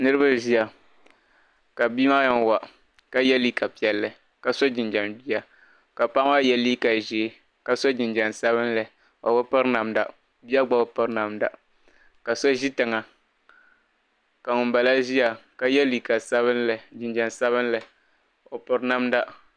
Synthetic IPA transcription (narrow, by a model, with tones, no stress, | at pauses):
nɨ˦ɾɨ˦ba˦ʒi˦a˨ | ka˨biː˦ma˦ja˦nwa˨ | ka˦jɛ˦li˦ka˨pi˨ɛ˨lːɨ˨ | ka˨sɔ˦d͡ʒɪ˨nd͡ʒa˨nbi˦a˦ | ka˨pa˦ŋ˦a˦jɛ˦liː˦ka˨ʒe˨˦ | ka˨sɔ˦d͡ʒɪ˨nd͡ʒa˨nsa˦βɨ˦nlɨ˨ | a˨ba˦pɨ˦ɾna˨mda˨ | bi˦a˦ɡ͡ba˨o˨pɨ˦ɾna˨mda˨ | ka˨so˦ʒi˦tɨ˨ŋa˨ | ka˨ŋʊ˨nba˨la˦ʒi˦ja˨ka˦jɛ˦li˨ka˨sa˦βɨ˦nld͡ʒɪ˨nd͡ʒa˨nsa˦βɨ˦n˦lɨ˨ | o˨pɨ˨ɾna˦mda˦